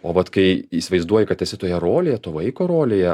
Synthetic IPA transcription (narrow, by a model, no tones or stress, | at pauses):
oːʋɐt̪kɐɪiːsʲɪʋɐɪzd̪uɔjɪkɐt̪ɛsʲɪt̪oːjɛɾoːlʲeːjɛt̪oːʋɐɪkoːɾoːlʲeːjɛ